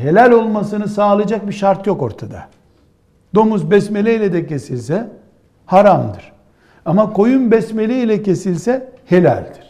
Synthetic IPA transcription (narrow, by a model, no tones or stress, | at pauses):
ɦe̞lʲælʲo̞lˠmasɯnɯsaːlˠɯd͡ʒak̚biʃaɾt̪jo̞ko̞ɾt̪ʰad̪a̰ | d̪o̞muzbɛsmelʲejlʲɛd̪ɛcʰe̞silʲsɛ | haɾamd̪ɯɾ̥ | amako̞jumbɛsme̞lʲejilʲɛce̞silʲsɛhe̞lʲæ̰lʲd̪iɾ̥